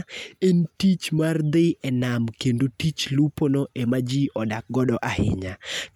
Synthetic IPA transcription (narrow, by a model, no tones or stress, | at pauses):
entit͡ʃmard̪ɪɛnamkendotit͡ʃluponɔʔemad͡ʒiʔɔdak̚ɡɔdɔʔahɪ̰ɲa